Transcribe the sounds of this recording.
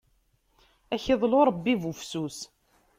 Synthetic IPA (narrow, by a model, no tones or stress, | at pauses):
æçeðˤloɾˤəbːivufsus